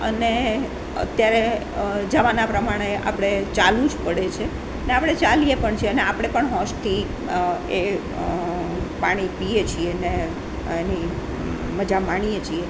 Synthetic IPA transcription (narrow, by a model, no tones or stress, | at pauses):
ə̰ne | ə̰t̪jaɾe | d͡ʒaʋanapɾəmaɽ̃ea̰pɽ̃et͡ʃalũd͡ʒpəɽet͡ʃʰe | əneapɽ̃et͡ʃalijepəɳt͡ʃʰeəneapɽ̃epəɳɦɔ̃ʃt̪ʰi | e | paɽ̃ipiet͡ʃʰiene | eni | məd͡ʒamaɳ̃ijet͡ʃʰie